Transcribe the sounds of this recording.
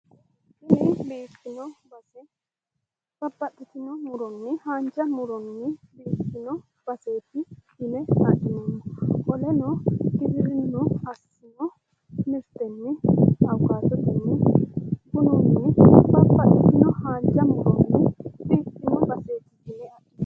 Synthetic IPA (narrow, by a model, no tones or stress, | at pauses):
ɪnɪbeːtːɪnɔbɐsɛ | b̥ɐbːɐt̪ːɪt̪ɪnɔmʊɾɔnːɪhaːnd͡ʒɐmʊɾɔnːɪbeːt̪ːɪnɔ | b̥ɐse̞ːt̪ɪhɪnɛɐd̪ɪnɔmːɔʔɔlɛnɔɡɪbɪɾɪnːɔɐs | ɪnɔ | mɪɾt̪ɛnːɪɐwkaːt̪ːɔt̪ɛnːɪ | kʊnɔnːɪbɐbːɐt̪ːɪt̪ɪnɔhaːnd͡ʒɐmʊɾɔnːɪbeːt̪ːɪnɔbɐseːt̪ɪhɪnɛɐt̪ːɪn